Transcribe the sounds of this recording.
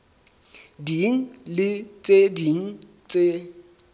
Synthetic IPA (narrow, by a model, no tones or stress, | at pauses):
diŋ̩lɪt͡sʼediŋ̩ | t͡sʼe